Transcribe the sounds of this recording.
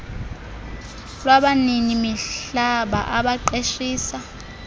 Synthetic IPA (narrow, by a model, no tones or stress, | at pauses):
lwaɓaninimiɬaɓa̰ʔaɓaǃeʃiːsa